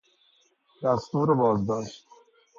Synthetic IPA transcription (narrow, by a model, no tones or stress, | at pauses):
d̪ast̪uːɾebɒːzd̪ɔːʃt̪